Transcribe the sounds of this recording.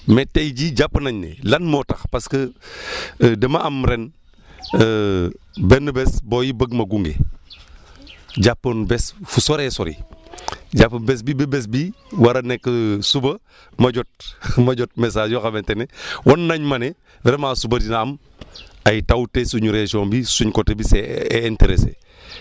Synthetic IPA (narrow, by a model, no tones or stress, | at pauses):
metːejɟiɟapːnaɲnḛlanmotɐxpaskə | demaʔamɾen | ə | benːəbesboːjibəɡmɐɡuŋɡḛ | ɟapːonbesfusoɾeso̰ɾḭ | ɟapːɐbes̬bibebes̬bi | wɐɾɐnɛkːəsubɐ | mɐɟɔt̚mɐɟot̚mes̬aːd͡ʒjoxɐbɛntenewonːaɲmɐne | vɛɾemasubɐdinaɐm | ajtawutesuɲuɾesiombisuɲkotebiseːnteɾesḛ